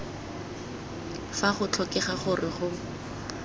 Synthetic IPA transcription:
faχʊt͡ɬʰɔkɛχaχʊrɪχʊ

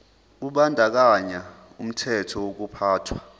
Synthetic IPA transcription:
k̬uɓandʱak̬aɲa | um̩tʰɛtʰɔwok̬upʰaːtʰwa

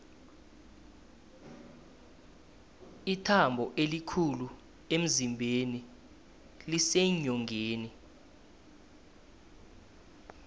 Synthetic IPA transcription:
itʰambʱɔʔelikʰulu | em̩zimbʱeni | liseɲɔŋʱeːni

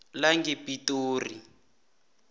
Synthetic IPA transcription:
laŋɡipitoːri

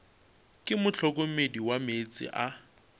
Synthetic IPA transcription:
kʼɪmʊt͡ɬʰɔk̬ʼomediwamet͡sʼɪ̰ʔa

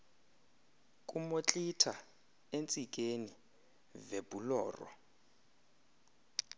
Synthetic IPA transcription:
kʼumot͡ɬʼitʰa | ent͡sʼik̬ʼeni | vebulɔ̰ːrɔ̰

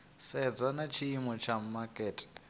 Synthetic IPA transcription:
sɛd͡zanat͡ʃʰiimɔt͡ʃʰam̩makʼɛːtʼi̥

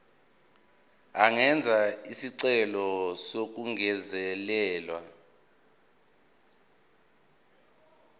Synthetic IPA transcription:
aŋɛnd͡zʱaisiǀɛlɔsok̬uŋɛzɛlɛːlwa

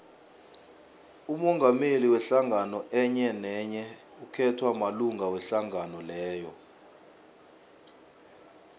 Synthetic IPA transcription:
umɔŋɡʱameliwɛɬaŋɡanɔʔɛɲɛnɛɲɛ | ukʰɛtʰwamaluŋɡʱawɛɬaŋʱanɔlɛːjɔ

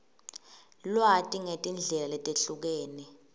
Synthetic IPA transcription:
lwatʼiŋetʼind͡ɮʱɛlalɛtʼeɬuk̬eːni

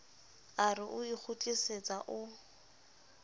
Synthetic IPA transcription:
arɪʔʊik͡xʰʊtʼiset͡sʼaʔʊ

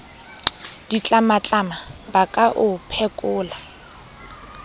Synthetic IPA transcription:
d̥it͡ɬʼamat͡ɬʼamabakʼaʔʊpʰɛkʼʊːla

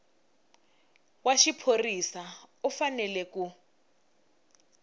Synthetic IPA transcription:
waʃipʰorisaufanɛlɛku

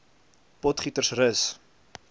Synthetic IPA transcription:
pɔtχitərsrəs

